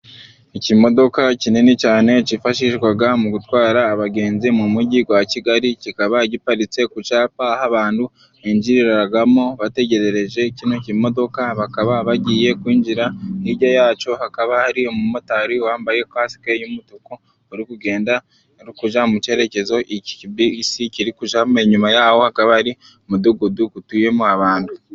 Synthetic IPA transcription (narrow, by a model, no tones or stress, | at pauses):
ecimo̞do̞kacinenecaːne̞cifaʃiʃɡwaɡamuɡutwaːɾaːβaɡe̞ːnzimumuɟiɡwaciɡaɾicikaβaɟipaɾit͡se̞kut͡ʃaːpaːhaβaːndu | eɲd͡ʒiɾiɾaɾaɡamo̞βate̞ɟe̞ɾe̞ɾe̞ʒe̞cino̞cimo̞do̞kaβakaβaβaɟiːje̞kwiːɲd͡ʒiɾaniɟajaːt͡ʃo̞hakaβahaɾiomumutaɾiwaːmbaje̞kwaːsi̥ke̞jumutuko | oɾikuɡe̞ːnda | ɾikuʒamuce̞ɾe̞ce̞zo̞ʔici̥ibisiciɾikuʒame̞ɲumajaho̞hakaβahaɾi | mud̪uɡud̪uɡutuje̞moaβaːndu